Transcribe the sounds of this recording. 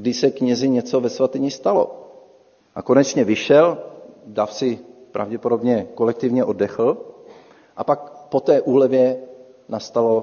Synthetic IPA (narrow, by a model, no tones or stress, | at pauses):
ɡdɪʃsɛkɲɛzɪɲɛt͡so̞vɛsvat̪ɪɲɪst̪alo̞̰ | ʔako̞nɛt͡ʃɲɛvɪʃɛldafsɪpɾa̰vɟɛpo̞do̞bɲɛko̞lɛk̚t̪ɪvɲɛʔodɛxl̩ | ʔapak̚po̞t̪ɛːʔuːlɛvjɛ | nast̪alo̞